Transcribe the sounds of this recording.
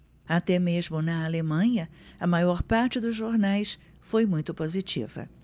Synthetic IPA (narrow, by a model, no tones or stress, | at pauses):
at̪ɛmezmʊnɐalemɐ̃ɲɐɐmajɔɾpaɾt͡ʃɪd̪ʊzʒoɾnajs | fojmũj̃t̪ʊpozit͡ʃḭvɐ̰